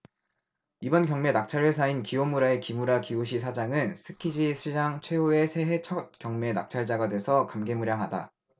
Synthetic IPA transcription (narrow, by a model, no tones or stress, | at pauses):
ibʌnkjʌŋme̞nak̚t͡ɕʰaɾwesʰainkiomuɾae̞kimuɾakiuɕ̬ʰisʰad͡ʑaŋɯnsʰɯkʰid͡ʑisʰid͡ʑaŋt͡ɕʰwe̞oe̞sʰe̞ɦe̞t͡ɕʰʌt̚k͈jʌŋme̞na̰k̚t͡ɕʰaɭd͡ʑaɡadwe̞sʰʌkamɡe̞muɾjaŋɦada̰